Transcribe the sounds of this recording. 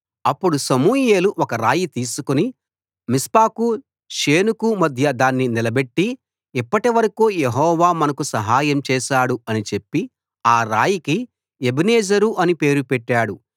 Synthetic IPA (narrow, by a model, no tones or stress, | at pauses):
ɐpːuɽusɐmuːje̞ːluʔɔkɐɾa̰ːjit̪iːsukuni | mispaːku | ʃeːnukumɐd̪ʱjɐd̪aːnːinilɐbe̞ʈːi | ipːɐʈiʋɐɾɐkuːjeɦɔːʋaːmɐnɐkusɐɦaːjɐmt͡ʃɛːʃaːɽuɐnit͡ʃe̞pːi | aːɾaːjiki | ebɐneːd͡ʒɐɾuʔɐnipe̞ːɾupɛʈːaːɽu